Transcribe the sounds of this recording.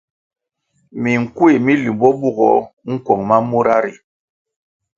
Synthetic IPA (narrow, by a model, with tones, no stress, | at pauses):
mi˨ŋ̩˨ku˦e˨mi˦li˨mbɔ˦bu˦˨ɡɔ̰˨ŋ̩˦kwɔ˨ŋma˦mu˦ɾa˦ɾi˨